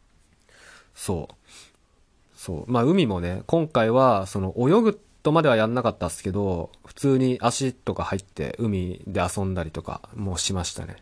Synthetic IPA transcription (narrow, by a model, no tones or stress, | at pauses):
so̞̰ː | so̞̰ːmaːɯ̟mʲimo̞ne̞kõ̞ŋkaiβ̞aso̞no̞ʔojo̞ɡɯ̟t̪ːo̞mad̪e̞β̞ajanːakat̪ːãsɨ̥ke̞d̪o̞ɸɯ̟̥t͡sɨːɲ̟iʔaɕit̪ːo̞ɡahait̪ːe̞̰ʔɯ̟mʲid̪e̞asõ̞nd̪aɾʲit̪o̞ka̰mo̞ːɕimaɕi̥t̪a̰ne̞̰